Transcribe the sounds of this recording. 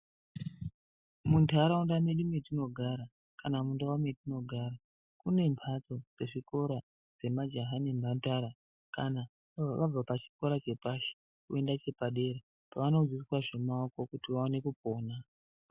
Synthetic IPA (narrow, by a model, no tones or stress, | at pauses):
muntaɾaundameɗimetino̞ɡʱaɾa | kanamundawametino̞ɡʱaɾa | kune̞mpʰat͡so̞d͡ze̞ʐiko̞ɾa | d͡ze̞mad͡ʒaɦanembantaɾa | kana | ʋab͡vapat͡ʃi̥ko̞ɾat͡ʃe̞paʃe̥ | kue̞ndat͡ʃe̞paɗe̞ɾe | paʋano̞d͡ziswaʐe̞maoko̞kutiʋaone̞kupo̞ːna